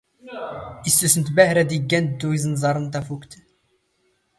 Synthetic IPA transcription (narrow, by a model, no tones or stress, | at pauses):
ist̪əsnt̪bæhɾæd̪iɡːænt̪̚d̪uizənzɑɾˤənt̪æfukt̪